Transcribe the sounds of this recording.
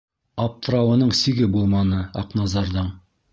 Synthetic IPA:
ɑp̚t̪ʰəɾɑwənəɴsiɡʲɪbolˠmɑnəɑqnɑzɑɾd̪əɴ

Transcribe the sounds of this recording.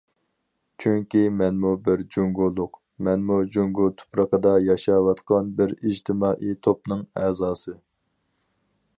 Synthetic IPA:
t͡ʃʰyŋkʲimɛnmubɪɾd͡ʒuŋɡulˠːʊq | mɛnmud͡ʒuŋɡut̪ʰu̥pɾəqəd̪ɑjɑʃɑwɑt̪qʰɑnbɪɾid͡ʒt̪ʰɪmɑːʔit̪ʰopnɨŋɛzɑːsɨ

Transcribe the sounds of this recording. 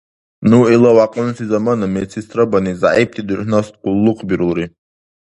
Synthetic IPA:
nuɛlˠawaqʼunsizamanamɛt̪sʰist̪ʰɾabaniza̰ʔip̚t̪ʰid̪uɾhnast̪qulˠːuqʰʼbiɾulˠɾi

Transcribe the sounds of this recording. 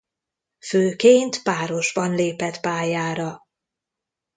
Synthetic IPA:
føːkeːnt̪paːɾo̞ʒbɒnleːpɛt̪paːjaːɾɒ

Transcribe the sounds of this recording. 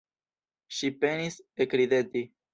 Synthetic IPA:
ʃipenisekɾid̪et̪i

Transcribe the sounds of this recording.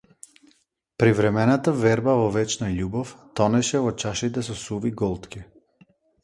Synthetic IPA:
pɾivɾɛmɛnat̪avɛɾbavɔvɛt͡ʃnaʎubɔft̪ɔnɛʃɛvɔt͡ʃaʃit̪̬ɛsɔsuviɡɔlˠt̪ki

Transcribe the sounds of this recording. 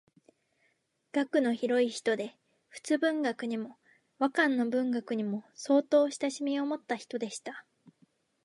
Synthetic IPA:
ɡ̥akɯ̟no̞çiɾo̞içi̥t̪o̞d̪e̞ | ɸɯ̟̥t͡sɨbɯ̟̃ŋɡakɯ̟ɲ̟imo̞ | βakãnːo̞bɯ̟̃ŋɡakɯ̟ɲ̟imo̞so̞ːt̪o̞ːɕi̥t̪aɕimʲio̞mo̞t̪ːaçi̥t̪o̞d̪e̞ɕi̥t̪a

